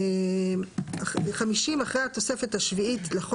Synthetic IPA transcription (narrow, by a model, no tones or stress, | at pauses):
aχamiʃimaχʁejat̪o̞sefethaʃviitleχo